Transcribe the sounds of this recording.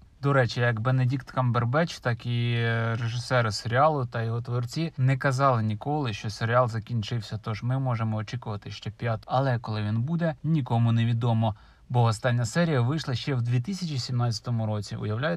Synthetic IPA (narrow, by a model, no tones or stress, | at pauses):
d̪ɔɾɛt͡ʃijɐkbenedʲikt̪kɐmberbɛt͡ʃt̪ɑkireʒɪsɛɾɪseɾʲɪɑlˠʊt̪ɐjɔɦɔt̪ʋɔrt͡sʲinɛkɐzɑlˠɪnʲikɔlˠɪʃt͡ʃɔseɾʲɪɑlˠzɐkʲinʲt͡ʃɪwsʲɐt̪ɔʒmɪmɔʒemɔːt͡ʃikʊʋɐt̪ɪʃt͡ʃɛpʲjat̪ɐlˠɛkɔlˠɪʋʲinbud̪ɛnʲikɔmʊne̞ʋʲid̪ɔmɔ | bɔɔst̪ɑnʲːɐsɛɾʲijɐʋɪjʃlˠɐʃt͡ʃɛwd̪ʲʋʲit̪̬ɪsʲɐt͡ʃʲisʲimnɑt͡sʲɐ̥t̪ɔmʊɾɔt͡sʲiʊ̰jɐwlʲajʊ